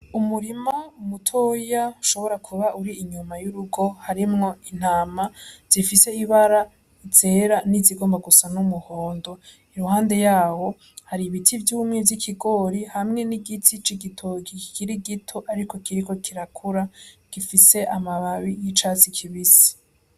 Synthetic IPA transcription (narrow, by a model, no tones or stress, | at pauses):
umuɾimaumutʰojauʃo̞βo̞ɾakʰuβaʔuɾiːɲumajuɾuɡo̞haɾimŋo̞in̥aːmaz̥ifise̞iβaɾa | it͡seːɾaniziɡo̞ːmbaɡusanumuho̞ːndo̞ | iɾuhaːnde̞jaːwo̞ | haɾiβitʰivjuːmŋevjikʰiɡo̞ːɾihamŋe̞niɡitʰit͡ʃiɡitʰoːɡikiɾiɡitʰo̞ʔaɾiko̞kiɾiko̞kʰiɾakʰuɾaɡ̥ifise̞ʔamaβaβijit͡ʃat͡sikʰiβisi̥